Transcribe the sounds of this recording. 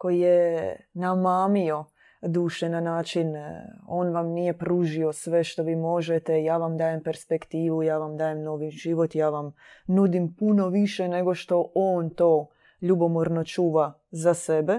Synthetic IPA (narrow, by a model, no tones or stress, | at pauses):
ko̞jijenamaːmio̞ | d̪uːʃenanaːt͡ʃino̞ːnʋamnijepɾuːʒio̞sʋe̞ʃt̪o̞ʋiːmo̞ʒet̪ejaːʋamd̪aːjempe̞ɾspekt̪iːʋujaːʋamd̪aːjemno̞ːʋiʒiʋo̞t̪jaːʋam | nud̪impuno̞ʋiʃene̞ɡo̞ʃt̪o̞ʔoːnt̪o̞ː | ʎubo̞moɾno̞t͡ʃuːʋa | zase̞be